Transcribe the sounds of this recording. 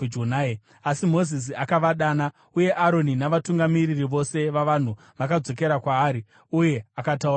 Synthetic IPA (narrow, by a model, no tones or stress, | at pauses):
d͡ʒonae | asimo̞zis̬iakaʋaɗaːna | uje̞ʔaɾo̞ninaʋatuŋɡamiririʋo̞se̞ʋaʋan̤u | ʋakad͡zo̞ke̞ɾakwaːɾi | uje̞akatauraa